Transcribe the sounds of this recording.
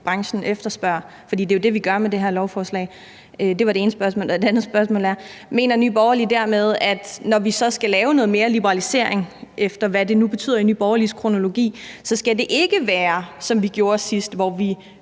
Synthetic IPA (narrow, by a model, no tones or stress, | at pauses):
b̥ʁɑ̈ŋɕn̩efd̥ɐsb̥ɶɐ̰ | fɒ̽d̥ḭːd̥e̝jo̝d̥e̝ʋiɡ̥ɶɐmede̝ɦæɐlɒʊfɒːslɛ̰ː | ød̥e̝ʋɑ̈deeːnəsb̥ɶɐsmɔ̰ːlɒd̥e̝ænð̩ˠsb̥ɶɐsmɔ̰ːlæɐme̝̰ːnɐny̰ːb̥ɒʊɐlid̥æɐ̰með̞ˠæd̥nɒʋisɒ̽sɡ̥ælɛːʊnɔ̽ːð̞̩ˠme̝ːɐlib̥əʁɑ̈lise̝ɐ̰e̝ŋefd̥ɐʋæd̥e̝nub̥e̝̥t͡sʰy̰ːð̰ˠɐiny̰ːb̥ɒʊɐliskʰʁo̝no̝lo̝ɡ̥ḭːsɒ̽sɡ̥æd̥e̝ʔe̝ɡ̥əʋæːɐsɒ̽mʋiɡ̥jo̝ːɐsisd̥ʋɒʋi